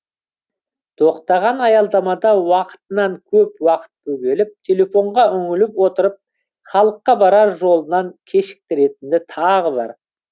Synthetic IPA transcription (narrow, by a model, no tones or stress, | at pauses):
t̪ʰo̞qt̪ɑʁɑnɑjɑlˠd̪ɑmɑd̪ɑwɑqə̥t̪ənɑŋkʲʰɵpwɑqə̥t̪̚kʲʰɵɡʲe̞lɪp̚t̪ʰe̞lʲe̞fo̞ɴʁɑʏŋɪlɪpwo̞t̪əɾəp̚ | χɑlˠəqːɑbɑɾɑɾʒo̞lˠənɑŋkʲʰe̞ʃɪ̥k̚t̪ɪɾe̞t̪ɪnd̪ɪt̪ʰɑʁəbɑ̰ɾ